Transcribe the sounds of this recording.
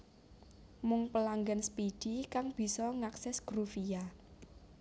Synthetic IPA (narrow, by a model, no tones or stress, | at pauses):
mʊŋpəlaŋɡanspid̥ikaŋb̥i̤sɔŋaksɛsɡ̥ɾufija